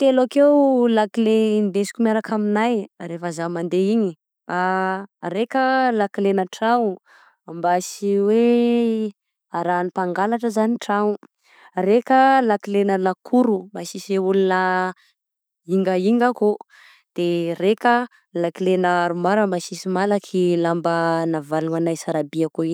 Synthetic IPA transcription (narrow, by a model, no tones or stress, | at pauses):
t̪elakeulakilend̪esi̥kʲumaɾakaminajɾefəzamand̪eiɲi | aɾekʲəlakilenəʈ͡ʂaŋu | ambasiwe | aɾanipaŋɡalaʈ͡ʂəzaniʈ͡ʂaŋu | rekəlakilenəlakʰuɾumbasiseulunə | iŋɡəiŋɡaku | d̪̥erekə | lakilenəɾumaɾəmbasisimalakʰilambənavaluanajsaɾabiakoi